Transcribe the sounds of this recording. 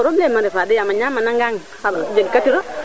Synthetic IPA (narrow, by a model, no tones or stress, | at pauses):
ɾobemaɾɛfadɪjamaɲamanaŋɡaŋ | sabad͡ʒeɡkatiɾɔ